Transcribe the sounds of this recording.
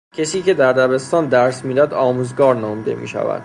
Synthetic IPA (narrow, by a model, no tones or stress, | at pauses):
cʰesiːcʰe̞d̪æɾd̪æbe̞st̪ɒːnd̪æɾsmiːd̪æd̪ɒːmuːzɡɒːɾnɒːmd̪e̞̰mḭːʃæ̰væ̰d̪̥̚